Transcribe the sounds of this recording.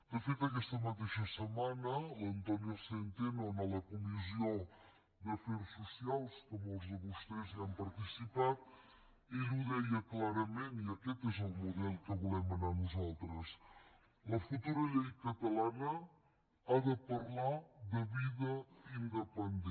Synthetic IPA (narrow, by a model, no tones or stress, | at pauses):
d̪əfet̪ək̬ɛst̪əmət̪eʃəsəmanələnt̪ɔniosent̪enonaləkumizio | d̪əfeɾsusialˠskɔməlˠzðəβust̪ɛziampəɾt̪isipat̪̚ | iluðɛjəklaɾəmeniəkɛt̪ezəlˠmuðɛlˠkəβulɛmənanuzalˠt̪ɾəs | ləfut̪uɾəʎɛjkət̪əlanə | aðəpəɾlaðəβiðəind̪əpənd̪ɛ